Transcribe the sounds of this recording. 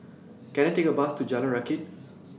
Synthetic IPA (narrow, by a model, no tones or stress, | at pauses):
kɛ̃ñatekəbastud͡ʒalə̃nɹakɪt̚